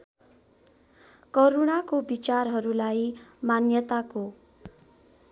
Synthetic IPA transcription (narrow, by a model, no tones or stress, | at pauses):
koɾoɽakobit͡sarɦʌɾulajmanjʌt̪ako